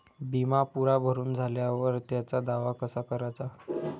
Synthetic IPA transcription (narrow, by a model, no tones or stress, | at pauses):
bimapuɾabʱəɾuːnd͡zʱaljaʋəɾt̪jat͡sad̪aʋakəsakəɾat͡sa